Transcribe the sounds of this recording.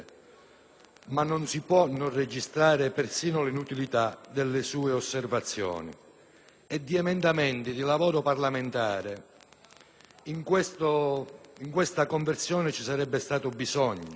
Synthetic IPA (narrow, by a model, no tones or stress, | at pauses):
manːonsipwɔnːonred͡ʒist̪ɾaːɾɪpersiːnʊlinut̪ilit̪ad̪elːɪsuːeosːervat̪sːjɔ̰ːnḭ | ɛd̪ːiɛmɛnd̪amɛnt̪id̪ilavoːɾoparlament̪aːɾe | iŋkwest̪oiŋkwest̪akoɱversjɔːnɪt͡ʃisaɾɛbːest̪aːt̪ʊbizɔɲːʊ